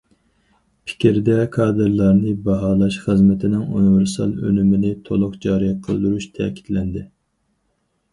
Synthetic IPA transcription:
pʰɪ̥kʲʰɾd̪ɛkʰɑːd̪ɨɾlˠɑɾnɨbɑɦɑːlˠɑʃχəzmɛt̪ʰɪnɪŋṵnivɪɾsɑ̰lˠø̰nymɪnɪt̪ʰolˠʊqd͡ʒɑɾijqʰə̰lˠd̪uɾuʃt̪ʰɛ̰kʲʰi̥t̪lɛnd̪ɪ

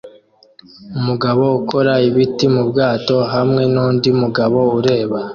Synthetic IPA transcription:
umuɡaβo̞uko̞ɾaiβitimubɡaːto̞ɦamŋe̞nuːndiumuɡaβo̞uɾe̞ːβa

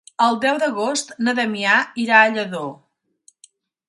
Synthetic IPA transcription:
əlˠd̪ɛwd̪əɣost̪nəðəmiaiɾaəʎəðo

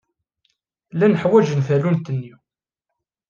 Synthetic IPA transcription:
lænəħwæʒənfælunt̪ənːiw

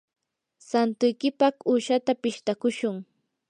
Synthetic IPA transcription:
sant̪ʊjkɪpɑχuːʃat̪apɪʃt̪akʊʃʊŋ

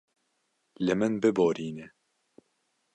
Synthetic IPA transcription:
lɨmɨnbɨboːɾiːnɛ

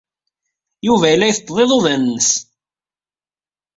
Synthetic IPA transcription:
juvæjəlːæjθt̪ˤːðˤeðˤoðænːəs

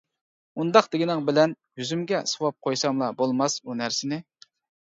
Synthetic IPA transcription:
und̪ɑqd̪ɪɡʲinɨŋbɪlɛnjyzymɡʲɛsowɑp̚qʰojsɑmlˠɑbolˠmɑsunæɾsɪnɪ

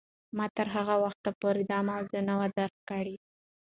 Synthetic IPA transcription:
mɑt̪əɾɦaɣawaxt̪apoɾɪd̪ɑmawzənawad̪aɾxkaɽi

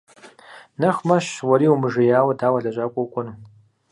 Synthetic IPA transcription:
nɐχʷmɐʃwɐɾiːumɨʐɨjaːwɐdaːwɐɮɐʒʼakʷʼʊkʷʼʊn

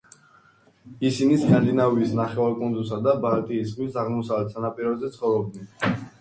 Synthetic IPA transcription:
isiniskʼand̪inaviːsnaχɛvaɾkʼɔnd̪us̬ad̪abalt̪ʼiːsχwisaʁmɔsavlɛt̪sanapʼiɾɔzɛt̪sʰχɔvɾɔb̚d̪nɛn

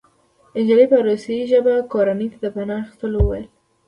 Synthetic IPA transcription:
ɪnd͡ʒalepəɾosajiʒəbakoɾanəjt̪ad̪əpanɑaxi̥st̪əlowəwajl

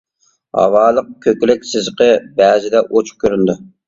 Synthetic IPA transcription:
hɑ̰wɑːlˠəq̚kʲʰøkʲlɪkʲsɪzqəbæːzɪd̪ɛʔot͡ʃ̚ʰkʲʰøɾynd̪u

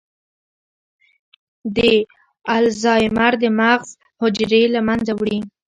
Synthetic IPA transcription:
d̪ə | alzɑjmaɾd̪əmaɣz | hʊd͡ʒɾelamanzawɽi

